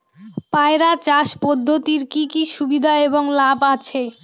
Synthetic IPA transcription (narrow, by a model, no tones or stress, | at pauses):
paeɾat͡ɕaʃpɔd̪ʱːot̪iɾkikiʃubid̪ʱaeboŋlabat͡ɕʰe